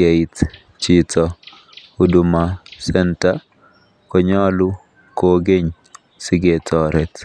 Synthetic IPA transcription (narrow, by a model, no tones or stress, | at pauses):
eit | t͡ʃitʰɔ | udumasɛnta | kɔɲɔlu | koɡeɲ | siɡetʰɔɾɛt